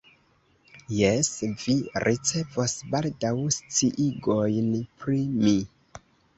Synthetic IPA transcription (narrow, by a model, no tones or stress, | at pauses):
jesviɾʔit͡se̞vosbaldawst͡siʔiɡo̞jnpɾimi